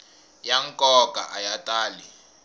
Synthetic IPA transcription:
jaŋkʼɔkʼa̰ʔajatʼaːli

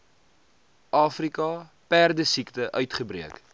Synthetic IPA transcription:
ʔɑːfrikɑ | pærdəsiktəʔœɥtχəbɾiək

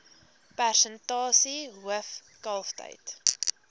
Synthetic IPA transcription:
pærsəntɑːsiɦuəf | kɐlˠftə̰jt

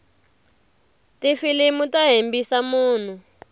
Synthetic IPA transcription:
tifilimutaɦembisamuːn̤u

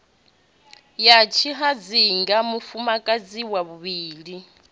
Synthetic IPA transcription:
jat͡ʃʰiɦad͡ziŋɡamufumakʼad͡ziwaβuβiːɺi

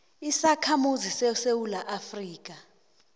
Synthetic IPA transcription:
isakʰamuzisesewulaʔafriːk̬ʼa

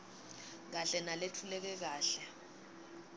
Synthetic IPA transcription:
k̬aɬɛnaletʰulɛk̬ɛk̬aːɬɛ

